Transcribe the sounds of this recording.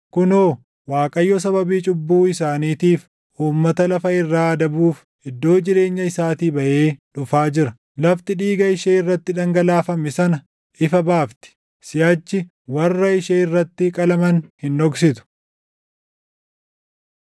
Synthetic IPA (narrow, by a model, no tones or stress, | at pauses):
kʊnoː | waːkʼɐjːɔs̬ɐbɐbiːt͡ʃʼʊbːuːɪs̬aːniːt̪iːf | ʔuːmːɐt̪ɐlɐfɐɪrːaːɐd̪ɐbuːf | ʔɪd̪ːo̞ːd͡ʒɪɾe̞ːɲːɐɪsaːt̪iːbɐʔeːᶑʊfaːd͡ʒɪɾɐ | lɐft̪ɪᶑiːɡɐɪʃeːɪrːɐt̪ːɪᶑɐŋɡɐlaːfɐmɪsɐnɐ | ʔɪfɐbaːft̪ɪ̥ | sɪjɐːt͡ʃːɪ | wɐrːɐɪʃeːɪrːɐt̪ːɪkʼɐlɐmɐnhɪnᶑɔɡsɪt̪ʊ̥